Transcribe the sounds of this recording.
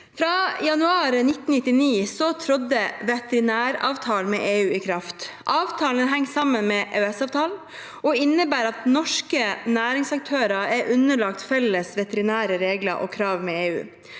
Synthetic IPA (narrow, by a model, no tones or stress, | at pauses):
fɾɑːjɑnʉɑːɾənɪt̪ːn̩nɪt̪ːɪniːsɔt̪ʰɾɔd̪əʋɛt̪ɛɾɪnæːɾɑ̰ːʋt̪ʰɑːlmḛːʔeːʉːɪkʰɾɑft̪ | ʔɑːʋt̪ʰɑːlənɦɛŋːsɑmənmeːʔœɛsɑːʋt̪ʰɑːl | ʔɔɪnːəbæːɾɑt̪nɔʂkənæːɾɪŋsɑk̚t̪ʰøːɾɑæɾʔʉnəlɑk̚t̪fɛləsʋɛt̪əɾɪnæːɾəɾeːɡlə̰ʔɔ̰kʰɾɑːʋmɛeːʉ̰ː